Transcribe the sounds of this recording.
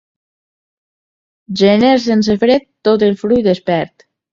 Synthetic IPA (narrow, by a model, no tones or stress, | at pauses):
ʒeneɾsens̬efɾet̪ːot̪̬elˠfɾujd̪espɛɾt̪